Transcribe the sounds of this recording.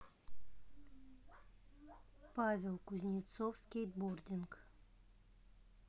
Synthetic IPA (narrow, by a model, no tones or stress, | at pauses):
pavʲelˠkʊzʲnʲit̪sofsʲkʲejt̪bord̪ʲɪŋk